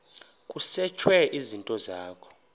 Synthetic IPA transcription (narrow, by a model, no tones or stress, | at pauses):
kʼusɛt͡ʃʰwɛʔizintʼɔzaːkʰɔ̥